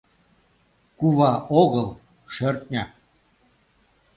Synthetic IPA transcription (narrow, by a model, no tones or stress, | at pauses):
kuβɑʔoɣɤlˠ | ʃørt̪̚nʲɑ